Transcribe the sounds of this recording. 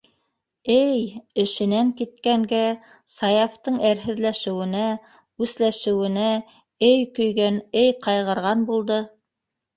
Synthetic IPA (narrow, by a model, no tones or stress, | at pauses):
ɘjɘ̆ʃɘ̆næŋkit̪̚kæŋɡæ | sɑjɑft̪ɤɴæɾɦɘ̆ðlæʃɘ̆wɘ̆næ | ʉslæʃɘ̆wɘ̆næ | ɘjkɵ̆jɡænɘjqɑjʁɤ̆ɾʁɑnbulˠd̪ɤ